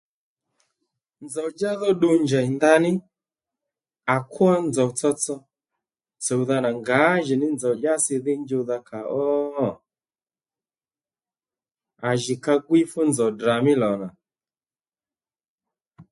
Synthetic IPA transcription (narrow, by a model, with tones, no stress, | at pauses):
nd͡zɔ˨d͡ʒa˦ðɔ˦ɗu˦˧ɲd͡ʒa˨i˨nda˦nɪ˦ | a˨kʰu˦a˦nd͡zɔ˨t͡sɔ˧t͡sɔ˧ | t͡sɔ˨u˨ða˧na˨ŋɡa˨˦ʒi˨nɪ˦nd͡zɔ˨ʄa˦si˧ði˦ɲd͡ʒu˧ða˧kʰa˨ʔɔ˦˨ | a˨ʒi˨ka˧ɡwi˦fu˦nd͡zɔ˨dɾa˨mi˦lɔ˨na˨